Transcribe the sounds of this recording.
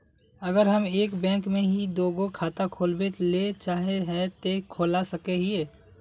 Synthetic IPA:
ɐɡəɾɦɐmeːkbɛ̃ːŋkmẽɦid̪oːɡokʰaːt̪akʰoːlbet̪let͡ʃaːɦeɦɛ̃t̪ekʰoːlasɐkeɦieː

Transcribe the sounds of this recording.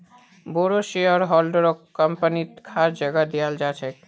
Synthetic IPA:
boɾoʃiɔɾɦɔlɖɾokːəmpanit̪kʰaɾd͡ʒəɡad̪ijald͡ʒat͡ɕʰe

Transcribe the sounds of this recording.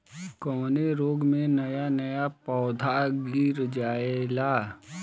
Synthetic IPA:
kɔːneɾoːɡmẽnɐjanɐjapɔːd̪ʱaɡɪɾd͡ʒaːelaː

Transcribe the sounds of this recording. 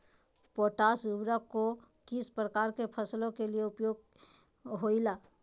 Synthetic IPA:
poːʈaːsubɾəkokɪspɾəkaːɾkepʰəslõkelieʊpjoːɡ̚ | ɦoilaː

